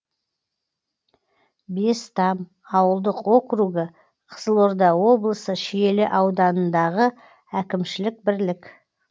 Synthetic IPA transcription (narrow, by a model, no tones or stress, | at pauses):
be̞st̪ɑm | ɑwəlˠd̪əqwo̞kɾuɡə | qʰə̥z̥əlˠo̞ɾd̪ɑwo̞blˠəsəʃɪje̞lɪʔɑwd̪ɑnənd̪ɑʁə | ækʲɪmʃɪlɪk̚bɪɾlɪk